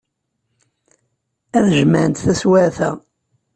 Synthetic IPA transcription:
æðʒmænt̪θæswæθæ

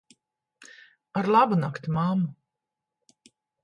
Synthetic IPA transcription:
aɾlˠabunakt̪imamːu

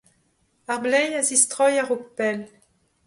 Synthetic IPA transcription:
aʁblɛjazist̪ʁɔjaʁokpɛl

